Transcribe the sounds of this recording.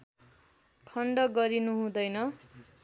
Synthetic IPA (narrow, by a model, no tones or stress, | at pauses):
kʰʌɳɖʌɡʌɾinuɦũd̪ʌjnʌ